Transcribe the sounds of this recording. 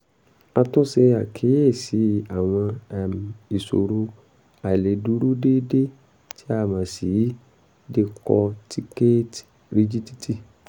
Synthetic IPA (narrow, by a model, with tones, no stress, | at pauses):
a˧tũ˦se˧a˨kʰe˨˦je˦˨si˨˦a˨w̃ɔ̃˧˨m˨i˨so̰˨ɾo˧ | a˨le˨du˨˦ɾu˦de˦de˦ | ti˦a˧mã˨si˨˦ | de˧kɔ̰˧tʰi˧˦ke˦t | ɾi˧d͡ʒi˦ti˦tʰi˦˨